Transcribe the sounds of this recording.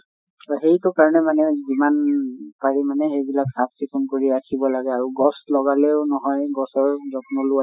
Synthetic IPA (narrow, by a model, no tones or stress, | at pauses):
tɔxejtʊkaɹɔnɛmanɛzimanpaɹimanɛxejbilaksap̚sikʰunkoɹiakʰibɔlaɡɛaɹuɡɔslɔɡalɛʊnɔɦɔjɡɔsɔɹzɔkʰunɔlʊa